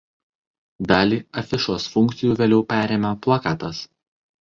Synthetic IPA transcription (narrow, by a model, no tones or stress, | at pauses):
d̪ɑːlʲiːɐfʲɪʃoːsfʊŋʲkt̪sʲɪjuːʋʲeːlʲɛʊpʲæːɾʲeːmʲɛplˠɐkɑːt̪ɐs